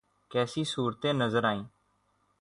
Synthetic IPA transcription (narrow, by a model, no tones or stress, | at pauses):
kɛːsiːsuːɾt̪ẽːnəzəɾaːĩː